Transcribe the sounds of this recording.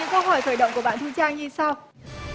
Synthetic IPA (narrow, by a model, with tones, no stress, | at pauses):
ɨ̰˧˥ŋkə˧wɦɔ˧˩jxəː˧˩jɗə̰˧˨wŋ͡mku˧˩əɓa̰ː˧˨nt̪ɨ˧t͡ɕaː˧ŋzi˧sa˧w